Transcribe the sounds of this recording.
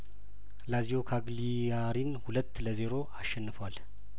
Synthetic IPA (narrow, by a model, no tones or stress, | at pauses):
laziokʰaɡli | jaɾinhulət̪ːləze̞ɾo̞ʔaʃːɛnːɨfəwal